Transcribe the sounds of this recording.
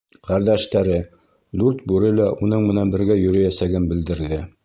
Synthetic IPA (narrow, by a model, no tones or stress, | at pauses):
qʰæɾd̪æʃt̪æɾɘ | d̪uɾt̪̚bʉɾɘlæʔunɤɴmɘ̆nænbɘ̆ɾɡæjɵ̆ɾɘjæsæɡɘnbɘ̆ld̪ɘ̆ɾðɘ